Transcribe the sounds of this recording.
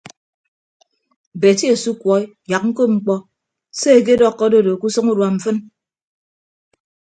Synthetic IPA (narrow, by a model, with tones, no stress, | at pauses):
be˨ti˦e˨su˦kwɔ˨˦i˦ | ja˨k̚ŋ̩˦ko˦ŋ͡m̩˦k͡pɔ˦ | se˦e˨ke˦dɔ˦˨kːɔ˦do˦˨do˨ku˦sɨ˦ŋu˦ɾwa˨m̩˨fɨ˦n